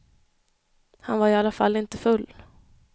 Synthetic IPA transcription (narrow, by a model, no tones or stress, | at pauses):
hanvaɾɪalːafa̰lːɪnt̪əfɵlː